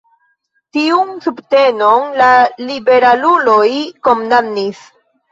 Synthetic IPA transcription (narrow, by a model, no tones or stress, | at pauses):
tiunsubte̞no̞nlalibe̞ɾalulo̞jkomnamnis